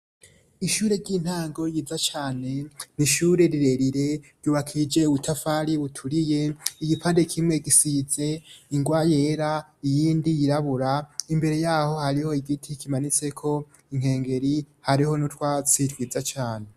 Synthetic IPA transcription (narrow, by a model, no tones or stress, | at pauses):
iʃuːɾe̞ɾɟiːn̥haːŋɡo̞ɾjiːzat͡ʃaːne̞niʃuːɾe̞ɾiɾe̞ɾiɾe̞ɾɟuːβakʰid͡ʒe̞uβutʰafaɾiβutʰuɾije̞iɡipandekʰimŋe̞ɡisize̞iŋɡwaje̞ːɾa | ijiːndijiɾaβuɾaimbe̞ɾe̞jaːho̞haɾiho̞iɡitʰikimanit͡se̞kʰo̞ | iŋ̥he̞ːŋɡe̞ɾi | haɾiho̞nutwat͡sitwiːd͡zat͡ʃaːne̞